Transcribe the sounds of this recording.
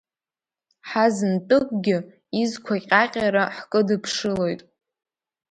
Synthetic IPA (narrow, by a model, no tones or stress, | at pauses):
ħazɨntʼɨkʷʼɡʲɪ | izkʷʰaqʲʼaqʲʼaɾaħkʼɨdɨpʰʂɨlo̞jtʼ